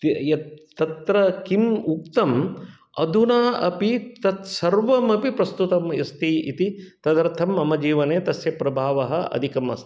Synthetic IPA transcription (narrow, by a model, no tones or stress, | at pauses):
t̪ijɐt̪t̪ɐt̪ɾɐkimuk̚t̪ɐm | ɐd̪ʱunaːʔɐpit̪ɐt̪sɐɾʋɐmɐpipɾɐst̪ut̪ɐmɐst̪iḭt̪it̪ɐd̪ɐɾt̪ʰɐmːɐmɐd͡ʒiːʋɐneːt̪ɐsjɐpɾɐbʱaːʋɐɦɐʔɐ̰d̪ʱikɐmɐ̰st̪ʰi̥